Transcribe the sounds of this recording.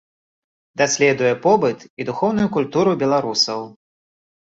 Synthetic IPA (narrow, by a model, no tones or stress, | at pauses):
d̪asʲlʲɛd̪ujɛpɔbɨt̪id̪uxɔwnujukulʲt̪uɾubʲɛlˠaɾusɐw